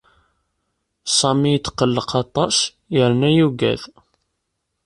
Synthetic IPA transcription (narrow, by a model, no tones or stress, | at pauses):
sˤɑmijt͡s̪ːqːəlːəqɑt̪ˤɑs | jəɾnæjuɡæ̰ð